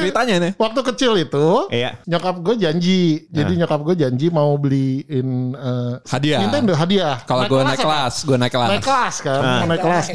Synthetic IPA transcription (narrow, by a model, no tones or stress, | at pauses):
bit̪aɲanɛwak̚t̪ukət͡ʃɪlit̪uja̰ɲokap̚ɡuad͡ʒaɲd͡ʒid͡ʒadiɲokap̚ɡuad͡ʒaɲd͡ʒimaubəliɪnəhadiamit̪aɪndɦadiahkaloɡuanalasɡuanajkəlanajkəlaskannnajkəlas